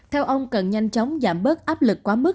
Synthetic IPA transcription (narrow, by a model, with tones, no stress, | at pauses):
t̪ʰɛ˧wʔə˧wŋ͡mkə˨˩nɲa˧jŋ̟t͡ɕɔ˨˦wŋ͡mzaː˧˩mɓəː˦˥t̚ʔaː˦˥p̚lɨ˨˩kːwaː˨˦mɨ˦˥